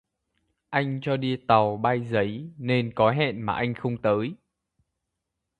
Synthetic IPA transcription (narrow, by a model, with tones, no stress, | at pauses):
ʔa˧jŋ̟t͡ɕɔ˧ɗi˧t̪a˨˩wɓaː˧jzə˨˦jne˧nkɔ˨˦ɦɛ̰˧˨nmaː˨˩ʔa˧jŋ̟xə˧wŋ͡mt̪əː˨˦j